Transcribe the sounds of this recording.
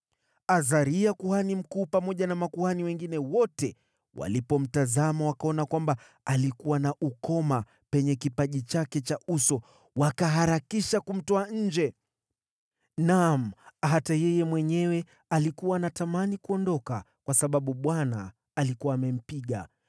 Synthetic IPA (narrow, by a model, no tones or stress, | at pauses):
azaɾiakuhanim̩kuːpamɔʄanamakuhaniwɛŋɡinɛwɔtɛ | wa̰lipɔm̩tazamawakaɔnakwamba | alikuwanaʔukɔma | pɛɲɛkipaʄit͡ʃakɛt͡ʃausɔ | wakaɦaɾakiʃakum̩tɔaɲ̩d͡ʒɛ | nam̩ɦatajɛjɛmwɛɲɛwɛ | alikuwanatamanikuɔndɔka | kwasaɓaɓuɓwana̰ː | likuwaːmɛm̩piɠa̰